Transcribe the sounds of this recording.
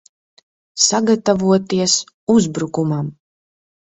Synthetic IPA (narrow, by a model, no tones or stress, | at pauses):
saɡat̪avuɔt̪iɛs | uzbɾukumam